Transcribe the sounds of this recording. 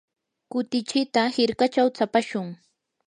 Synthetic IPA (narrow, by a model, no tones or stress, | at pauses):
kʊt̪ɪt͡ʃɪt̪ahɪɾkat͡ʃawt͡sapaʃʊŋ